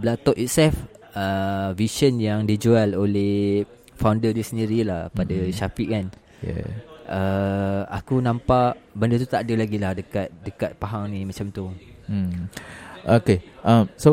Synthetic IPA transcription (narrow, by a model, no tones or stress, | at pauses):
blat̪ɔʔit̪̚sɛlf | əvisənjaŋdid͡ʒualoleh | fawndədisəniɾilahpadaʃapiʔkan | jɛ̰ʔəa̰kunãmpaʔbəndət̪ut̪aʔdəlaɡilahdəkat̪̚dəkat̪̚paɦaŋnimat͡ʃamt̪um̩ | ʔokeʔamso